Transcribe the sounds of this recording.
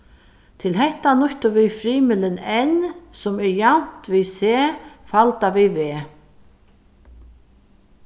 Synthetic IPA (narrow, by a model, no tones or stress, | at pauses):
t̪ʰɪlɦɛht̪anʊht̪ʊvifɾiːmɪlɪnɛnsʊmɛɹjan̥t̪viseːfalt̪aʋiveː